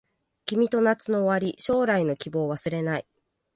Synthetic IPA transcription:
kʲimʲit̪o̞nat͡sɨno̞ːβaɾʲiɕo̞ːɾaino̞kʲibo̞ːβasɨɾe̞nai

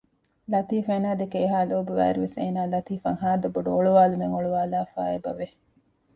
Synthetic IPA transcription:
lɐt̪iːfeːnaːd̪ekeːɦaːloːbuʋæ̰ːɾuʋeseːnaːlɐt̪iːfɐŋɦaːd̪ɐboɖuoɭuʋaːlumeŋoɭuʋaːlaːfa̰ːebɐ̰ʋe

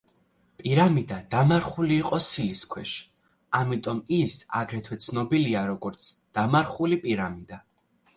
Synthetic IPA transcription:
pʼiɾamid̪ad̪amaɾχuliːqʼɔsiliskʰwɛʃ | amit̪ʼɔmisa̰ɡɾɛt̪ʰwɛt̪sʰnɔbiliaɾɔɡɔɾt̪sʰd̪̥amaɾχulipʼiɾamid̪a

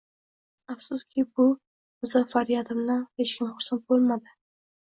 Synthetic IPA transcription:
afsʊskʲʰɪbʊ | mʊzafaɾijat̪ʰɪmnanhet͡ʃkʲʰɪmχʊɾsant̪̚bolˠmad̪ɪ

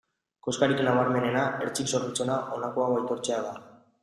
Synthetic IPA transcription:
koskaɾikenaβaɾme̞ne̞naeɾt͡ʃikso̞ɾβit͡senaʔo̞nakoaβajt̪o̞ɾt͡se̞aða

